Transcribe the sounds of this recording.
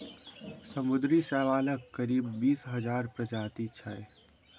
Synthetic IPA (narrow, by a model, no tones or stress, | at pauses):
səmʊd̪ɾisɛːʋaːləkkːəɾiːbːiːsɦəd͡ʒaːɾpɾəd͡ʒaːt̪it͡ʃʰae